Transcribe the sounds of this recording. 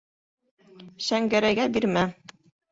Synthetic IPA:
ʃæŋɡæɾæɡæbiɾmæ

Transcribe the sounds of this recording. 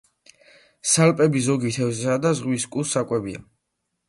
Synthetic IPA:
salpʼɛbizɔɡit̪ʰɛvzsad̪azʁwiskʼusːakʼwɛbia̰

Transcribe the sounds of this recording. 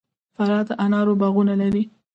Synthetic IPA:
faɾɑd̪ʔanɑɾobaɣunalaɾi

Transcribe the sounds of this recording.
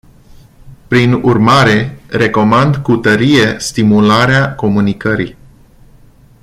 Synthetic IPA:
pɾinurmaɾe̞re̞ko̞mand̪kut̪əɾije̞st̪imulaɾeako̞munikəɾḭ

